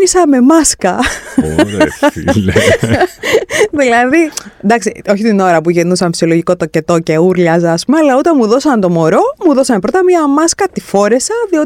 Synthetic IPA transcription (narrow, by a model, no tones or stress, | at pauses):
nisɐme̞mɐskɐ | ðilɐðind̪ɐksio̞çit̪ino̞ɾɐpuʝenusɐmfisio̞loʝiko̞t̪oce̞t̪o̞ce̞uɾʎɐzɐːspumeɐlɐut̪ɐnmuðo̞sɐnt̪o̞mo̞ɾo̞muðo̞sɐnpɾo̞t̪ɐmiɐmɐskɐt̪ifo̞ɾe̞sɐðio̞